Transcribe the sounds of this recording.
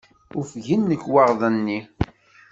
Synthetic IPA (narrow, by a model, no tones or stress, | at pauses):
ʊfʝənːəkːwɑʁðˤənːi